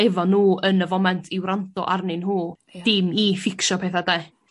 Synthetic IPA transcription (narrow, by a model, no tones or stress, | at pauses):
ɛvɔnuːənəvɔmɛntʰɪwɾantɔ̰ʔarnɪnhuː | d̥ɪmifɪkʃɔpʰeːθada